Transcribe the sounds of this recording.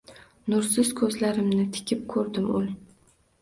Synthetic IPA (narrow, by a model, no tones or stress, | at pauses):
nʊɾsɪz̥kʰɵzlaɾɪmnɪt̪ʰɪ̥kʲʰɪp̚kʰɵɾd̪ɪmʊ̰l